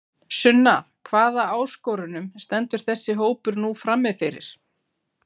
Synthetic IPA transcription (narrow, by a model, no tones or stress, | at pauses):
sʏnːa | kʰvaːðaaːwskɔwɾʏnʏmst̪ɛnt̪ʏɾ̥θɛsːɪɦoːwpʏɾnufɾamːɪðfɪɾɪ̰ɾ̥